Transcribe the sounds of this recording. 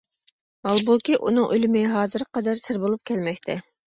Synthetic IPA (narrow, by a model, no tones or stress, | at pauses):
mɑlˠbukʲiʔṵnɨŋʔølɪmɪɦɑːzɨɾqɑd̪æɾsɪɾbolˠup̚kʲʰɛlmɛkʲt̪ʰɛ